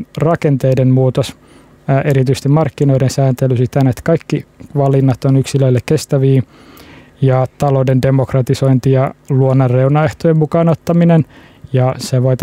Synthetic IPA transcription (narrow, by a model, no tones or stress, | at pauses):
rɑkent̪eidenmuːt̪os | ʔeɾit̪yst̪imɑrkːino̞idensæːnt̪elysit̪ænet̪kɑikːiʋɑlinːɑt̪onyksiløilːekest̪æʋiː | jɑt̪ɑloudende̞mokrɑt̪iso̞int̪ijɑluonːɑrːeunɑeht̪ojemmukɑːnot̪ːɑminen | jɑseʋoit̪